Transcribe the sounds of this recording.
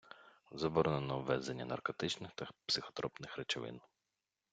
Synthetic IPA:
zɐbɔɾɔnenɔʋːɛzenʲːɐnɐ̰rkɔt̪ɪt͡ʃnɪxt̪ɐpsɪxɔ̥t̪ɾɔpnɪxɾet͡ʃɔʋɪ̰n

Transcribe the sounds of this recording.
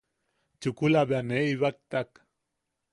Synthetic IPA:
t͡ʃukulaβeaneiβak̚t̪ak

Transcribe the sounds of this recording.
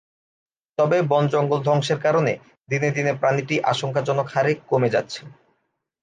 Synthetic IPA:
t̪ɔbebɔnd͡ʑɔŋɡold̪ʱɔŋʃeɾkaɾonḛ | d̪ined̪inepɾaniʈiʔa̰ʃoŋkad͡ʑɔnokʰaɾekkomed͡ʑa̰t̪ːɕʰe̥

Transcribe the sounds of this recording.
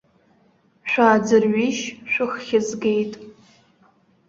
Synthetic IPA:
ʃᶣʷaːd͡zɨrɥiʃʃʷᶣɨχːʲɪzɡe̞jtʼ

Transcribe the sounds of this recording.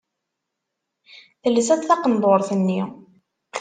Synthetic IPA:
θələsæθθɑqənd̪ˤoɾˤθənːi

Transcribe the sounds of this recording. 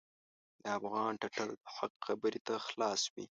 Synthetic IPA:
d̪̥əafɣɑnʈaʈald̪əħaqxabəɾit̪axlɑswḭ

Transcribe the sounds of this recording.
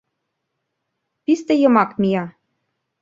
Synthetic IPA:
pist̪ĕjɤ̆mɑkmʲijɑ

